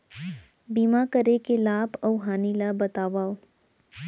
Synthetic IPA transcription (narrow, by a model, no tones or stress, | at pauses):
biːmakəɾekelaːbɔwɦaːnilabɐt̪aːʋaːo